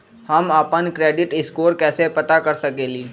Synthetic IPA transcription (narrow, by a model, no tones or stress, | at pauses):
həmaːpənkɾeːɖɪʈɪskoːɾkɛːsepɐt̪akɐɾsɐkeːliː